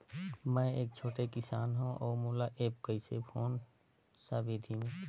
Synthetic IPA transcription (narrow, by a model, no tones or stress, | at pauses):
mə̃eːk̚t͡ʃʰoːʈekɪsaːnɦũʔɔːmolaʔeːpkəɪsepʰoːn | səbed̪ʱimẽ